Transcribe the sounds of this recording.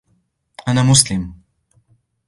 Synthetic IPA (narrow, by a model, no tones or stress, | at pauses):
ʔanaːmʊslɪm